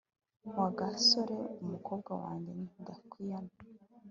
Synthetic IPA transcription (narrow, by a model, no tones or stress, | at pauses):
mwaɡasoɾeumukoːbɡawa̰ːɲɡeniudakwijana